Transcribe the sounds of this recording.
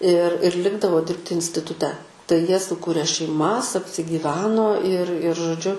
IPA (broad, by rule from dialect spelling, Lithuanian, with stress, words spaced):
ɪr ɪr ˈlʲɪɡdɐʋoː ˈdʲɪrʲpʲtʲɪ ɪnʲsʲtʲɪtʊˈtʲɛ tɐɪ ˈjiɛ sʊˈkʊrʲeː ʃʲɛɪˈmɐs ɐpʲsʲɪɡʲiːˈʋʲæːnoː ɪr ɪr ʒoːˈd͡ʒʲʊ